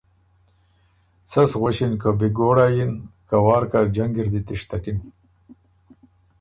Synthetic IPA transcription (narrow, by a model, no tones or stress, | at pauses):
t͡sasɣoɕinkabiɡoːɽajinkawɑːɾkad͡ʒaŋɡiɾd̪it̪iʂt̪akin